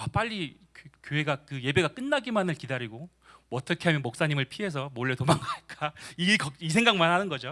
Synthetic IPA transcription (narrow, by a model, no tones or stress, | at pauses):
ap͈aʎːi | kjoɦe̞ɡakɯje̞be̞ɡak͈ɯnːaɡimanɯɭkidaɾiɡo | ʌt͈ʌkʰe̞ɦamjʌnmok̚s͈aɲimɯɭpʰie̞s̬ʰʌmoɭːe̞tomaŋaɲik͈aikʌisʰe̞ŋɡaŋmanɦanɯnɡʌd͡ʑo